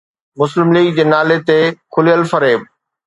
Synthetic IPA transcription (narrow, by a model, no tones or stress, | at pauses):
mʊslɪmliːɡ̚d͡ʑeːnaːlet̪ekʰʊlijəlfɐɾeːb